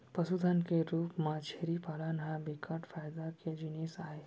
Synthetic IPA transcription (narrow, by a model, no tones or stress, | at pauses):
pəsud̪ʱankeɾuːpmat͡ʃʰeɾipalanɦãbikʰaʈfajd̪aked͡ʒinisaɦe